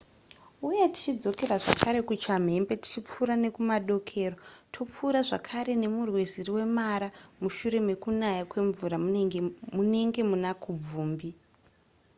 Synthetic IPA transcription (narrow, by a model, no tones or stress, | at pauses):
uje̞ti̥t͡ʃid͡zo̞ke̞ɾaʐakʰaɾe̞kut͡ʃam̤e̞mbe̞ti̥t͡ʃip͡fuɾane̞kumaɗo̞kʰe̞ːrotʰop͡fuːɾaʐa̰kʰaɾe̞ne̞murweziriwe̞maɾamuʃuɾe̞me̞kunajakwe̞ɱvuɾa | mune̞ŋɡe̞munakub͡vuːmbi